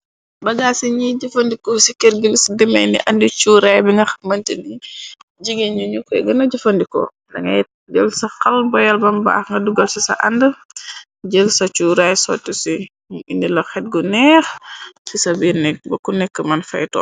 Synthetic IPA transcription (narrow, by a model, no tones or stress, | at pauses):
bɐɡaːsiɲiɟɐfɐndikɔsikɛɾɡəlisdimɛjnḭʔɐndit͡ʃuːɾajbiŋɡɐxɐmɐntidiɟiɡeɲuɲukɛɡɐnɐɟɐfɐndikɔ̰ | ndɐŋɡɐ | d͡ʒəlsɐxɐlbɔjɐlbɐmba̰ːxŋɡɐduɡɐlsisɐ̰ʔɐ̰ndə | ɟəlsɐt͡ʃuːɾajsɔ̰ːtːusi | indilɐxɛt̚ɡunɛːxsisɐbinɛk̚bɐkunɛkːəmɐnfɐ̰jtɔ̰